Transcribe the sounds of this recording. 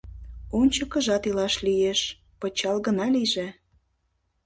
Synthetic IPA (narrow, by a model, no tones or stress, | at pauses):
onʲt͡ɕəkə̆ʒɑt̪ilɑʃlijeʃ | pət͡ɕɑlɣə̆nɑliʒe